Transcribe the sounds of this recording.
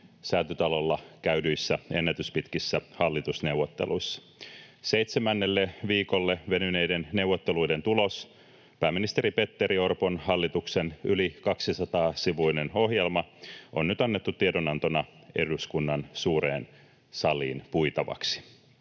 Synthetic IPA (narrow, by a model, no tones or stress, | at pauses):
sæːt̪yt̪ɑlo̞lːɑkæydyjsːæe̞nːet̪yspit̪kisːæhɑlːit̪usne̞uwʋːot̪ːe̞̰luisːɑ̥ | se̞jt̪semænːelːeʋiːko̞lːeʋe̞nynejdenne̞wːot̪ːelujde̞nt̪ulo̞s | pæːminist̪e̞ɾipe̞t̪ːeɾio̞rponhɑlːit̪uksenylikɑksisɑt̪ɑːsiʋuineno̞ɦjelmɑonnyt̪ɑnːet̪ːut̪ːiedonɑnt̪onɑ | e̞duskunːɑnsuːɾḛːn | sɑlḭːnpuit̪ɑʋɑ̰ksi̥